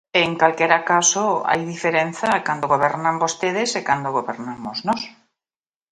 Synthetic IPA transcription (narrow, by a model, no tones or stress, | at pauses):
eŋkalkeɾakasoa̰jðifeɾenθakand̪oɣoβ̞ɛɾnãmbost̪eðesekand̪oɣ̞oβeɾnamoznɔs